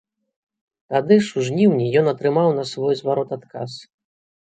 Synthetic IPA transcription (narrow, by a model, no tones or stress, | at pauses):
t̪ad̪ɨʂuʐnʲiwnʲijɔnɐt̪ɾɨmawnɐsvɔjzvaɾɔt̪at̪ka̰s